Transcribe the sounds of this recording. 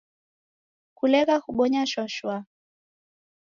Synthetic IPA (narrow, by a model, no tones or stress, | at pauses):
kulɛɣahuɓɔɲaʃɔʃwa